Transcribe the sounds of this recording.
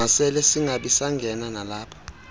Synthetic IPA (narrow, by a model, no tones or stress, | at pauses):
asɛlɛsiŋʱaɓisaŋɡʱɛnanalaːpʰḁ